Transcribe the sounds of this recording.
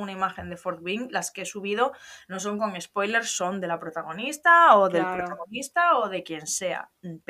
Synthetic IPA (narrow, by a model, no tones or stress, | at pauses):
unaimaxe̞nd̪e̞foɾt̪βiŋlaskeesuβ̞iðo̞no̞s̬o̞ŋko̞ŋe̞spo̞jle̞ɾso̞nd̪e̞lapɾo̞t̪aɣ̞o̞nist̪aoðelpɾot̪aɣ̞o̞nist̪aoðe̞kje̞nse̞a̰ | p